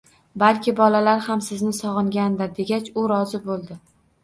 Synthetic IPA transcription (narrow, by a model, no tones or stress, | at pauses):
balkʲɪbɒlalaɾhamsɪznɪsɒʁɨŋɡʲand̪aɾd̪e̞ɡʲat͡ʃʊɾɒzɪbolˠd̪ɪ